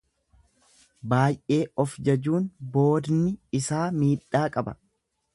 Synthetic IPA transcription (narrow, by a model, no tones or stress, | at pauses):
baːjʔe̞ːɔfd͡ʒɐd͡ʒuːnbo̞ːd̪nɪɪsaːmiːᶑːaːkʼɐbɐ̰